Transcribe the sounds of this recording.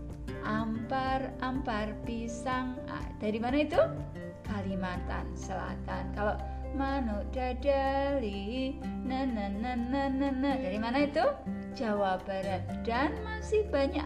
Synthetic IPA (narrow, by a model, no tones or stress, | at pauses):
ʔamparamparpisaŋ | a̰d̥aɾimanait̪u | kalimat̪a̰nsəla̰t̪ankaloʔ | manʊʔd̥adalinənənːənənənədaɾimanait̪u | d͡ʒawab̥aɾat̪̚d̥anmasɪhb̥aɲaʔ